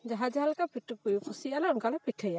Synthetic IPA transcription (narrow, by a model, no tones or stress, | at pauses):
d͡ʒaɦad͡ʒaɦalkapʰiʈukujupʰusialaɔnkalapiʈʰəja